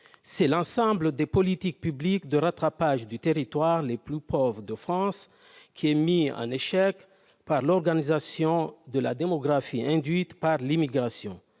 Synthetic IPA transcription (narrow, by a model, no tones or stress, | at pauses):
sɛlɑ̃sɑ̃bləd̪epɔlit̪ik̚pyblikd̪əʁat̪χapaʒd̪yt̪eʁit̪waʁleplypʰɔvʁəd̪əfχɑ̃s | kʲʰiɛmiɑ̰̃neʃɛk | paʁlɔʁɡanizasjɔ̃d̪əla̰d̪emɔɡʁafiɛ̃d̪ɥit̪paʁlimiɡʁasjɔ̰̃